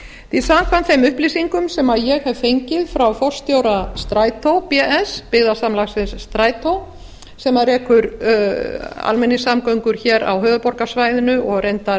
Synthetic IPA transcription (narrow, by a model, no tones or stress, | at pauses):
θiðsamkʰvant̪θejmʏhplisiŋkʏmsɛmaðjɛɣhɛvfejɲcɪðfɾawfɔr̥st̪joːwɾast̪ɾaːjt̪ʰowpɛʔɛspɪɣðasamlaxsɪnsːt̪ɾaːjt̪ʰow | sɛmaðrɛːkʏɾ | a̰lmɛnːɪsamkœɥŋkʏɾ̥çɛːɾa̰wɦœːvʏpɔɾkasvajðɪnʏʔɔɣrejnt̪aɾ